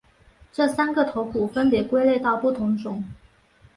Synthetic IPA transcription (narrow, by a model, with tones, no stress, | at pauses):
ʈ͡ʂɤ˥˩sa˥nɡə˨t̪ʰo˧˥ʊkʰu˨˩fə˥npjɛ˨˩kwe˥ɪle˥˧ɪt̪ɑ˥˧ʊpu˥˩t̪ʰʊ˧˥ŋʈ͡ʂʊ˧˥˦ŋ